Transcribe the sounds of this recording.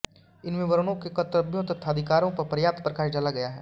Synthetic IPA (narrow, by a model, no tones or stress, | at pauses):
ɪnmɪ̃ʋɐɾnõkekɐt̪ɾəbʱjõt̪ɐt̪ʰːaːd̪ʱɪkaːɾõpɐɾpɐɾjaːp̚t̪pɾɐkaːʃd͡ʒɐlaɡɐjaɦɛ̰ː